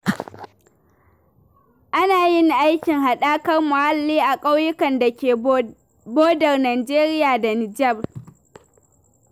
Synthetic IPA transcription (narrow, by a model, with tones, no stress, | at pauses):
ʔa˦naː˨jɪ˦ŋ˨ʔa˦jkʲɪ˨ŋha˨ɗaː˦kɐ˦rmʊ˨ha˦lːiː˦ʔa˨kʼa˦wjʊ˦kɐ˨nda˨kʲeː˨ | boː˦dɐ˨rnaː˨d͡ʒeː˦ɾɪ˦jaː˨da˨nɪ˨d͡ʒɐ˦˨b